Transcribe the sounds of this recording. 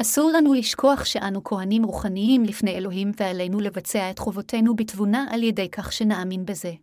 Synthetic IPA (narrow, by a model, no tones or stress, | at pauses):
asuʁlanuliʃkʰoaχʃe̞ʔanukʰo̞ɦanimʁuχaniimlifnejelo̞ɦimveale̞jnule̞vat͡se̞ae̞tχo̞vo̞tʰe̞nubitvunaʔaljede̞jkʰaχʃe̞naːminbe̞ze̞